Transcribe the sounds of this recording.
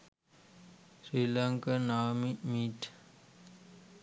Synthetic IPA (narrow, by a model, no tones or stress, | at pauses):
sɾiːlaŋkanaːmimiːʈ